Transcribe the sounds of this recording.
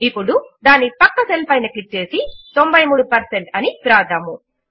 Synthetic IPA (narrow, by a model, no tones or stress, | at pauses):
ipːuɽud̪aːnːipɐkːɐselpɐjnɐkliʈ̚t͡ʃe̞ːsit̪o̞mbɐjmuːɽupɐɾseɳʈɐnipɾaːd̪ʱɐmu